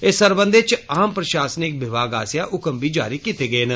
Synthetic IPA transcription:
esəɾbənd̪et͡ʃaːmpɾəʃaːsənɪk̚ʋɪbaːɡaːsjaːʔʊkəmbiːd͡ʒa̰ːɾiːkit̪eːɡəeːn

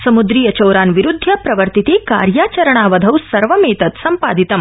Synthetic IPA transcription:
sɐmud̪ɾiːjɐt͡ʃɐwɾaːnʋiɾud̪ʱːɐpɾɐʋɐɾt̪it̪iːka̰ːɾjaːt͡ʃɐɾɐɳ̃aːʋɐd̪ʱɐwsɐɾʋɐmeːt̪ɐt̪sɐmpaːd̪ʱit̪ɐm

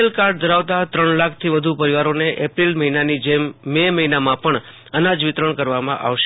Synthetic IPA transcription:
elkaɾɖ̚d̪ʱəɾaʋt̪at̪ɾəɳlakʰt̪ʰiʋəd̪ʱupəɾiʋaɾoneʔepɾilməɦinanid͡ʒemːeməɦinamãpəɳ | ənad͡ʒʋɪt̪ɾəɳkəɾʋamã̰ʔa̰ʋʃ

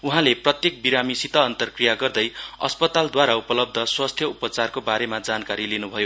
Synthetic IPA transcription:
uɦãleprʌt̪jek̚biɾamisit̪ʌːnt̪ʌrkrijaɡʌrd̪ʌjʌ̰spʌt̪ald̪waɾaupʌlʌb̚d̪ʱʌswast̪ʰjʌupʌt͡sarkobaɾemad͡zankaɾilinubʱʌjo

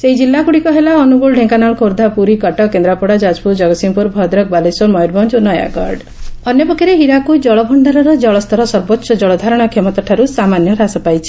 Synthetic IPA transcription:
seid͡ʒilːakuɽikɔɦelaɔnubuɭɖʱeŋkanaɭɔkʰoɾd̪ʱapuɾikɔʈɔkend̪ɾapɔɽad͡ʒad͡ʒpuɾd͡ʒɔɡɔsimpuɾbʱɔd̪ɾɔk̚balesɔmɔjɔɾbɔnd͡ʒonɔja̰ɡɔɾɖ | ɔnjɔpɔkiɾeɦiɾakujd͡ʒɔɭɔbʱɔɳɖaɾɔɾɔd͡ʒɔɭɔst̪ʰɔɾɔsɔɾbotːʃɔd͡ʒɔɭɔd̪ʱaɾɔɽ̃ɔkʰemɔt̪ɔʈʰaɾusamanjɔɾasɔpajt͡ʃʰi̥

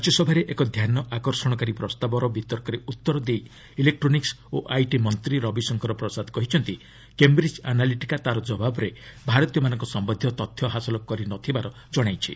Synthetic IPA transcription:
ɔt͡ʃɔsɔbʱaɾeʔekɔd̪ʱjanɔʔakɔɾsɔɽ̃ɔkaɾipɾɔst̪abɔɾɔbʱit̪ɔɾkɔɾeut̪ːɔɾɔd̪ej | ilek̚ʈɾoniks | oʔajʈimɔnt̪ɾiɾɔbisɔŋkɔɾɔpɾɔsad̪kɔɦit͡ʃʰɔnt̪i | kembɾid͡ʒanaliʈikat̪aɾɔd͡ʒɔbabɔɾebʱaɾɔt̪ijɔmanɔŋkɔsɔmbɔd̪ʱjɔt̪ɔt̪ʰjɔɦasɔlɔkɔɾinɔt̪ʰibaɾɔ | d͡ʒɔɽ̃ajt͡ʃʰḭ

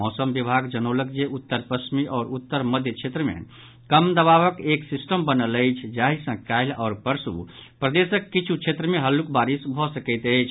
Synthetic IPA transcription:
ɔsəmbibʱaɡd͡ʒənolək̚d͡ʒeʔut̪ːəɾpɾəsʰmiʔɔːɾut̪ːəɾməd̪ʱjət͡ʃʰet̪ɾəmḛ | kəmd̪əβaʋəkeksisʈəmbənələjt͡ʃʰd͡ʒaisə̃kaɪlɔːɾpəɾsṵpɾəd̪esəkːit͡ʃʰut͡ʃʰet̪ɾəmeɦəlːukbaɾisbʱɔsəkəɪt̪əjt͡ʃʰ

